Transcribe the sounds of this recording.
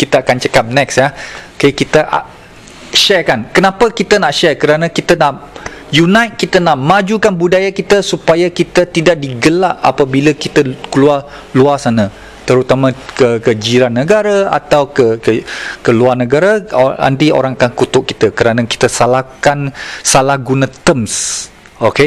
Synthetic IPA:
kit̪əakant͡ʃəkap̚nɛk̚sjakaikit̪əʔa̰ | ʃɛrkankənãpəkit̪ənaʔʃɛrkəɾanãkit̪ənaʔ | junãjt̪̚kit̪ənaʔmad͡ʒukanbudajakit̪əsupajakit̪ət̪idaʔ̚diɡəlaʔa̰pabiləkit̪əkəlua | luasanə̃ | t̪əɾut̪amãkəkəd͡ʒiɾanːəɡaɾaa̰t̪awkəkəkəluarnə̃ɡaɾaa̰nt̪io̰ɾaŋakankut̪ʊʔ̚kːit̪əkəɾanaki̥t̪əsalahkansalahɡunə̃t̪əms | oke

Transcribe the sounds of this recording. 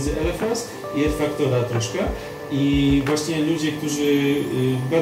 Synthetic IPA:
zɛʔɛɾɛfas | iɛfakt̪ɔvat̪ɾɔʂkɛ | ivwaɕɲɛlud͡ʑɛk̚t̪uʐɘ | ba

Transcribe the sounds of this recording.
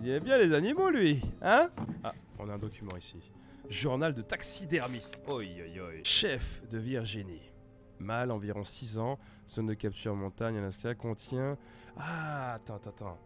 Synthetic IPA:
d̪ɛbjɛ̃lezanimolɥiɛ̃a̰ɔ̰̃naɛ̃d̪ɔkʲymɑ̃isi | ʒuʁnald̪ət̪aksid̪ɛʁmiojɔjɔjʃɛfd̪əviʁʒini | malɑ̃viʁɔ̃sizɑ̃ | sɔnd̪əkʲap̚t̪ʰyʁmɔ̃t̪aɲalɛ̃skʲakɔ̃t̪jɛ̃ | at̪ɛ̃t̪ɛ̃t̪ɑ̰̃

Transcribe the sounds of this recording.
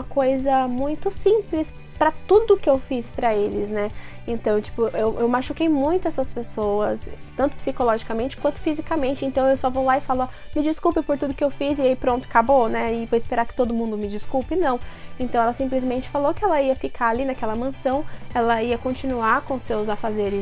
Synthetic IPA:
mɐkojzɐmũj̃t̪ʊsĩplɪs | pɾɐt̪ud̪ʊkɪewfispɾɐelɪznɛẽnt̪ɐ̃w̃t͡ʃi̥pʊʔewʔewmaʃukejmũj̃t̪ʊɛsɐspesowɐst̪ɐ̃nt̪ʊ̥psikolɔʒikɐmẽnt͡ʃɪ̥kwɐ̃nt̪ʊfizikɐmẽnt͡ʃɪẽnt̪ɐ̃w̃ewsɔvowlaɪfalamɪd͡ʒiskupɪpoɾt̪ud̪ʊkɪewfizɪaipɾõt̪ʊ̥kabonɛɪfojɪspeɾaɾkɪt̪od̪ʊmũnd̪ʊmɪd͡ʒiskupɪnɐ̃w̃ẽnt̪ɐ̃w̃ɛlɐsĩmplɪzmẽnt͡ʃɪ̥falokɪɛlɐiɐfikʰaalinakɛlɐmɐ̃sɐ̃w̃ɛlɐiɐkõt͡ʃinuaɾkõʊsewzafazeɾɪs

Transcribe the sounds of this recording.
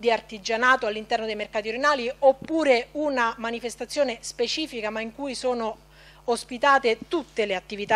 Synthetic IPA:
d̪iart̪id͡ʒanaːt̪oalːint̪ɛrnod̪ejmerkaːt̪ioɾenaːliopːuːɾeunamanifest̪at̪sːjoːnespet͡ʃiːfikamaiŋkujsoːnoː | spit̪aːt̪et̪ut̪ːeleat̪ːivit̪a

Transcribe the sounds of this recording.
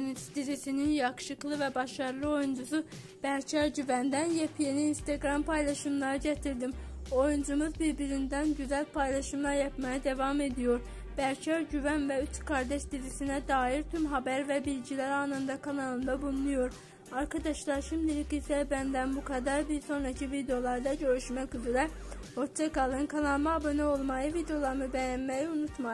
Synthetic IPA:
nisd̪izisininjɑxʃɯklˠɯvæbɑʃɑɾlˠɯo̞jund͡ʒusu | b̥æɾcʰæɾɟyvænd̪ænjepʰjeniinst̪ʰeɡɾɑmpʰɑjlˠɑʃɯmlˠɑɾɯɟæt̪ʰiɾd̪imo̞jund͡ʒumuzbiɾbiɾind̪ænɟyzælpʰɑjlˠɑʃɯmlˠɑɾjɑpmɑjid̪evɑme̞d̪ijo̞ɾ | b̥æɾcʰæɾɟyvænvɛyt͡ʃkʰɑɾd̪ɛʃd̪izisinæd̪ɑːjiɾt̪ʰymɦɑbæɾvɛbilɟilæɾɑnɯnd̪ɑkʰalˠɑnɯnd̪ɑbulˠnˠujoɾ | ɑɾkʰɑd̪ɑʃlˠɑɾʃimd̪ilʲikisɛbænd̪ænbukʰɑd̪ɑɾbiɾso̞nɾɑcʰivid̪ejo̞lˠɑɾd̪ɑɟø̞ɾyʃmæcyzɾɛho̞ɾt͡ʃʰakʰɑlˠɯnkʰalɑlmɑbɯnɯo̞lˠmɑjɯvid̪ejo̞lˠɑɾmɯbɛjænmæjiunut̪mɑ

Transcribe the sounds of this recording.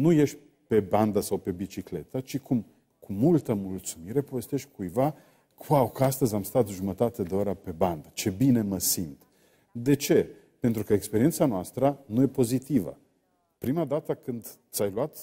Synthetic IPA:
nuje̞ʃʲ | pe̞band̪əsawpe̞bit͡ʃikle̞t̪ət͡ʃikʰum | kʰumult̪əmult̪sumiɾe̞po̞ve̞st̪e̞ʃt̪ʲkujva | wawkəast̪əzʲamst̪at̪ʒumət̪at̪e̞d̪e̞oɾəpe̞band̪ət͡ʃe̞bine̞məsimt̪ | d̪e̞t͡ʃe̞ | pent̪ɾukəekspeɾie̞nt̪sanoast̪ɾənuje̞po̞zit̪ivə̰ | pɾimad̪at̪əkɨnd̪t̪sajluat̪

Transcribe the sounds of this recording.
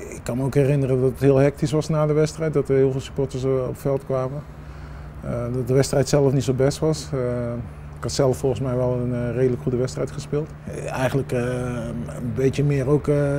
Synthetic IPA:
ɪkːɑnməowkhɛrɪnərədɔtəthɪəlˠɦɛk̚tisʋɑsnaːdəʋɛstrɛjt̚dɔtəhɪːlˠvɪːlˠsy̥pɔɹtəso̰pfɛlˠtkʋaːmə | dɔt̚dəʋɛstrɛjtsɛlˠəfnitsobɛstʋɑs | kɑtsɛlˠəfɔlˠχənsmɛjʋɛlˠənreːdələkχudəʋɛstrɛjtχəspɪlˠt | ɛjxənlək | əbejtjəmɪːərowk

